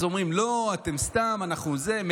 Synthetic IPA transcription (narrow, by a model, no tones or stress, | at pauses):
zo̞mʁimlo̞at̪e̞mst̪amanaχnuzem